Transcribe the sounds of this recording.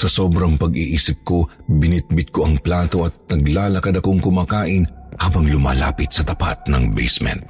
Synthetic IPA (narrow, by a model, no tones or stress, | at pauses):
sɐso̞ːbɾɐŋpɐɡiʔiːsɪp̚ko̞bɪnɪt̪̚bɪt̪̚ko̞ʔɐŋplaːt̪o̞ʔɐt̪̚nɐɡlaːlɐkɐd̪ɐko̞ŋkʊmaːkaːʔɪnhaːbɐŋlʊma̰ːla̰ːpɪt̪sɐt̪ɐpa̰t̪̚nɐŋbɛ̰jsmɛ̰nt̪̚